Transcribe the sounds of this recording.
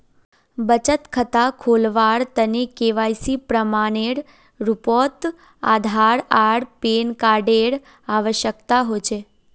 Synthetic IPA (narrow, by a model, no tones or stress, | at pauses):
bət͡ʃət̪kʰət̪akʰolʋaɾt̪ənekeʋajsipɾəmaneɽ | ɾupɔt̪ | a̰d̪ʱaɾaɽpenkaɖeɽ | aʋəʃjəkt̪aɦot͡ʃʰe